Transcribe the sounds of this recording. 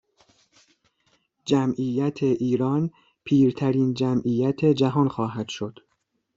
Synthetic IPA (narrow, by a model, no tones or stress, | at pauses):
d͡ʒæmʔiːjæt̪ʰeʔiːɾɒːn | pʰiːɾt̪ʰæɾiːnd͡ʒæmʔiːjæt̪ʰe̞d͡ʒæɦɒːnxɒːɦæd̪̥ʃo̞d̪̥